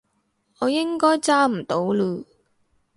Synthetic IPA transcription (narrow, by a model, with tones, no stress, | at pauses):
ŋɔː˨˧jɪ˥ŋkɔː˥jt͡saː˥m̩˨˩t̪o˨˥wluː˨˧